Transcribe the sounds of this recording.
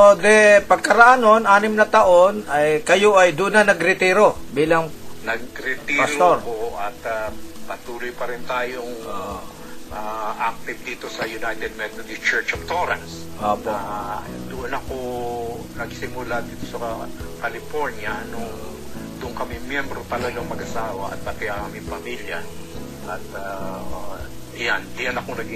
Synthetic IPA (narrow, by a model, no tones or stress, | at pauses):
od̪ɛpɐɡ̚kɐɾɐʔaːnonʔaːnɪmnɐt̪ɐʔo̞nɐjkɐjo̞ʔɐjd̪ʊnːɐnɐɡɾɪt̪iːɾo̞biːlɐŋnɐɡ̚ɾɪt̪ipɐtt̪oɾpoʔɐt̪apɐt̪uːlʊjpɐɾɪnt̪aːjoŋo | ʔaʔak̚t̪ɪv̚d̪iːt̪osɐjʊnajt̪ɛd̪̚mɛt̪od̪ɪst͡ʃɛɹt͡ʃoft̪oɾɐ̰ns | ooad̪ʊʔonɐko | nɐɡsɪmʊlad̪iːt̪o̞sɐkɐlɪfoɹnjɐnʊŋ | d̪ʊŋkɐmɪŋmjɛmbɾop̪ɐlɐɡaŋmɐɡɐsaːwɐʔɐ̰t̪̚pɐt̪ɪɐkɐmɪŋpɐmiljɐ | ʔɐt̪a | jand̪ɪjanɐkoŋnɐɡ